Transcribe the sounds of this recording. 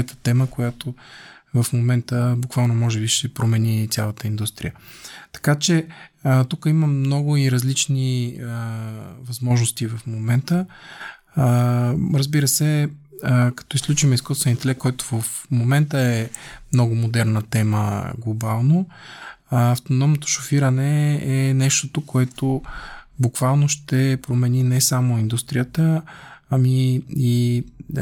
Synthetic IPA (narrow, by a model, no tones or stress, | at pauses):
ət̪ə̥t̪ɛməkojat̪ovɐfmomɛnt̪əbukvalˠnomɔʒɛbiʃt̪ɛpɾomɛnit̪sʲjalˠət̪əind̪ust̪ɾḭjət̪ɐ̥kat͡ʃɛt̪ukəiməmnɔɡʊiɾɐzlit͡ʃniəvɐzmɔʒnost̪ivɐfmomɛnt̪ə | ɾəzbiɾəsɛ | kɐ̥t̪ɔisklʲut͡ʃimɛiskust̪vɛnint̪ɛlɛk̪̚ɔɛt̪ʊ̥vɐfmomɛnt̪əɛmnɔɡʊmod̪ɛɾnət̪ɛmə̰ɡlˠobalˠno | ɐft̪onɔmnot̪o̥ʃofiɾɐnɛɛnɛʃt̪ot̪okoɛt̪obukv̥alˠnoʃt̪ɛpɾomɛninɛsamoind̪ust̪ɾijət̪əɐmiː